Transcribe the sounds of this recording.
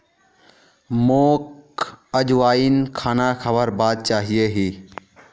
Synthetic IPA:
moːkəd͡ʒʋaːinkʰaːnakʰəbəɾbaːd̪̚t͡ʃaːɦijeɦiː

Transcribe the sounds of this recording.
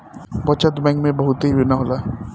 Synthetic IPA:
pɐt͡ʃəd̪mɛ̃ŋɡmẽbɐɦʊt̪ɦibɪnaɦoːlaː

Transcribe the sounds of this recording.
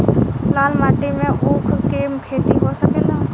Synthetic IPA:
laːlmaːʈimẽʔuːkʰkeːmkʰeːt̪iɦosəkeːlaː

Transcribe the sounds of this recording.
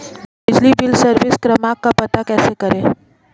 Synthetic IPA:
bɪd͡ʒlibɪlsəɾʋɪskɾɐmaːkːapɐt̪akɛːsekɐɾẽː

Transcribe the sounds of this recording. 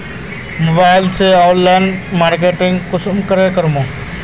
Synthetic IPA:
mobaːɪlseaʊnlaɪnmaːɾk̬eːʈɪŋɡkʊsmkəɾekəɾmõː

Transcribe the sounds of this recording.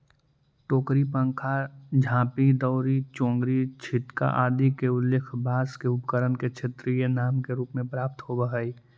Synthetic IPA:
ʈoːkɾipə̃ŋkʰad͡ʒʱãːpid̪ɔːɾit͡ʃõːŋɡɾit͡ʃʰɪt̪ka̰ʔaːd̪ikeʊlːekʰbaːskeʊpkəɾənket͡ʃʰet̪ɾijənaːmkeɾuːpmẽpɾaːp̚t̪ɦobəɦəi

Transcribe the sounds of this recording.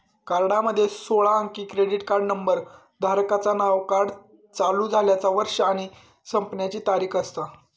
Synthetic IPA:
kaɾɽaməd̪ʱːjesoɭaəŋkiːkɾeɽiʈkaɾɖnəmbəɾ | d̪ʱaɾkat͡sanaʋkaɾɖ | t͡saluːd͡zʱaljat͡saʋəɾʂəaɽ̃i | səmpnjat͡ɕiːt̪aɾiːkʰəst̪a

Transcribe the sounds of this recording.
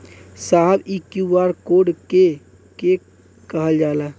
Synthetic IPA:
saːɦbikjuwaːɾkoːɖke | ke | kəɦəld͡ʒaːla

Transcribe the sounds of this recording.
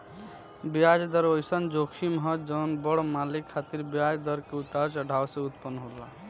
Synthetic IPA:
biad͡ʒd̪ʌɾojsʌnd͡ʒokʰimɦʌd͡ʒɔwnbɔɽomalikʰːat̪iɾbiad͡ʒd̪ʌɾkeut̪aɾsəɖʱawsẽut̪pənɦoɾla

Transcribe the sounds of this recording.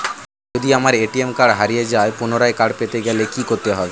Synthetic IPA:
d͡ʒod̪iamaɾeʈiemkaɽɦaɾijed͡ʑaepunoɾaekaɽpet̪eɡɛlekikoɾt̪eɦɔb

